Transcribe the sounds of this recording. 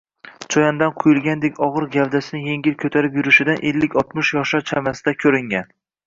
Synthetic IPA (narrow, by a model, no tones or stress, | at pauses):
t͡ʃʰɒjand̪anqʰʊjʊlˠɡʲand̪ekʲɒʁɨɾɡʲavd̪asɪnɪje̞ŋɡʲɪlkʰʲɵt̪ʰaɾɪpjʊɾɪʃɪd̪anʔelːɪkʲʰɒt̪mʊʃjɒʃaɾt͡ʃʰamasɪd̪akʲʰɵɾɪŋɡʲan